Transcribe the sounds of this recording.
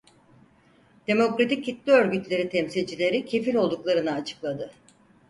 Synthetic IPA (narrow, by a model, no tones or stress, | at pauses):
d̪̥e̞mo̞kɾat̪ʰicːit̪lʲiø̞ɾɟyt̪lʲe̞ɾit̪ʰemsilʲd͡ʒilʲe̞ɾicʰe̞fiɾʲo̞lˠd̪uklˠaɾɯnɯːt͡ʃʰɯ̥klˠad̪ɯ